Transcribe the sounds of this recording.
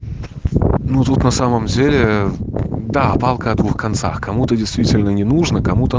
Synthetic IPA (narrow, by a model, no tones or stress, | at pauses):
nut̪ut̪nɐsaməmdʲelʲɪ | d̪aɐpalˠkəɐd̪vuxkɐnt̪sa̰xkɐmut̪ədʲɪjst̪vʲitʲɪlʲnənʲɪnuʐnəkɐmut̪ə